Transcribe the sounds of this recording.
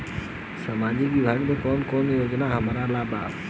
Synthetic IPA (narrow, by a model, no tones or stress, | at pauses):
samaːd͡ʒiʋibʱaːɡmẽkɔːnkoːnjoːd͡ʒnaɦəmaːɾalaːba̰ːb